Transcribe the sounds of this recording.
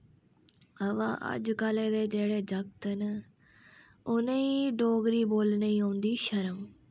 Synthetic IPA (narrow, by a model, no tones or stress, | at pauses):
əʋã̰ːʔə̰d͡ʒkaːlẽːd̪eːd͡ʒeːɽeːd͡ʒəɡt̪ɦən | ʊnẽːiɖoːɡɾiːboːlnəiːɦõːnd̪iːʃəɾəm